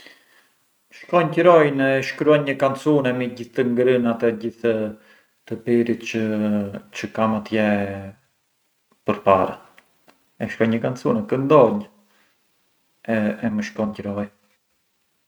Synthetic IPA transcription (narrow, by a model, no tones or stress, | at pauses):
məʃkɔɲcəɾɔjnɛʃkɾuanɲəkant͡sunɛmiɟiθt̪əŋɡɾənat̪ɛɟiθ | t̪əpiɾit̪t͡ʃə | t͡ɕəkamat̪jɛ | pəɾpa̰ɾa̰ | ɛʃkɔjɲɲəkant͡sunɛkənd̪ɔɲ | ɛɛməʃkɔɲcəɾɔj